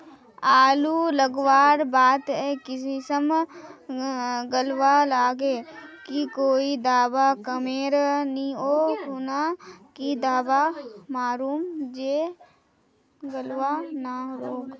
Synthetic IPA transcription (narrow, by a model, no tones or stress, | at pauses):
aːluləɡʋaːɾbaːt̪ɦɛkɪs̬isəm | ɡəlʋalaːɡekikoːid̪aːbakəmeːɾnĩoːɦʊnakid̪aːbamaːɾuːmd͡ʒeː | ɡəlʋanaɾoːk